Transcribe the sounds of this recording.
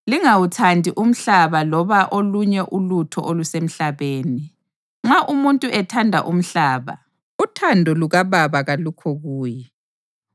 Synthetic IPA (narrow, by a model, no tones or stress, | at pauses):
liŋawutʰandʱiʔum̩ɬaβalɔβaʔoluɲɛʔulutʰɔ̰ʔolusem̩ɬaβeːni | ŋ͡ǁaʔumuntʼuʔɛtʰandʱa̰ʔum̩ɬaːβa̰ | utʰandʱɔluɣaβaβaɣalukʰɔɣuːjɛ